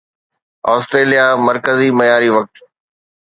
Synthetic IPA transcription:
ɔːsʈɾeːlijamɐɾkəzimɐjaːɾiʋɐk̚t̪

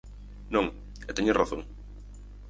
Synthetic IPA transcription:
nõŋ | ɛt̪eɲeraθoŋ

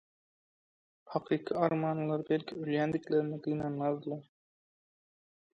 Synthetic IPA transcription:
hɑqʰiqiɑɾmɑːnɨlˠɑɾbælʲkʲʰɪylʲjænd̪ɪkʲlæɾɪnɪd̪ɪɡʲɪnænːɑzd̪ɨlˠɑɾ

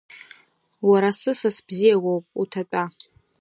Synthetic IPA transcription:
waɾasɨsɨsbzijaɡʷowpʼutʰat͡pʼa

